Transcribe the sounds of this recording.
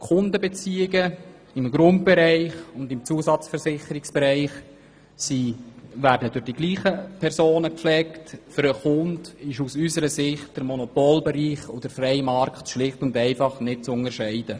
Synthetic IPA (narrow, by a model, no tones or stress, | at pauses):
χʊndəbet͡siːɪɡə | ɪmɡɾʊnt̚b̥ɛɾæɪχʊndɪmt͡suəsɑt͡sfəɾsɪχəɾɪksb̥ɛɾæɪχ | siʋæːɾdədʊχd̥iɡliːχəpʰɛɾsoːnəkflɛktfʏɾəχʊndɪʃusysəɾəsɪχt̚d̥əɾmɔnɔpoːlbɛɾiːχo̰d̥əɾfrɛɪmɑɾkχtʃlɪχtʊndɛɪfɑχnɪt̚t͡sʊŋəɾʃɛɪd̥ə